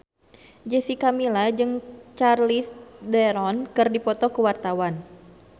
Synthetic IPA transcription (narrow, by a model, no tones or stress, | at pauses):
d͡ʒɛsikamilad͡ʒɨŋt͡ʃarlisdɛɾɔnkɨrdipɔt̪ɔkuwart̪awan